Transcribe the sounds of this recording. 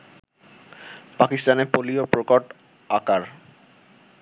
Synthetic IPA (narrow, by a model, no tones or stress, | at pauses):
pakist̪anepoliopɾokoʈ | akaɾ